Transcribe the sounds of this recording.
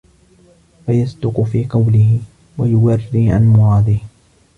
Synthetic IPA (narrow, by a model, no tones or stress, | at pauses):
fajasd̪ʊqʊfiːqɑwlɪɦɪ | wajʊwarːiːʕa̰nmʊɾˤɑːd̪ɪh